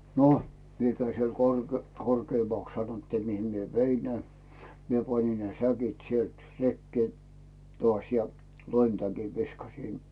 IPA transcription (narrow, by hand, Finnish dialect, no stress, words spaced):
no mie kæi siel kor korkeːmɑks sɑnotːiː mihim mie ʋein ne mie pɑnʲin ne sækit sielt rekːeː toɑˑsʲ jɑ loimtækiʋ ʋiskɑsin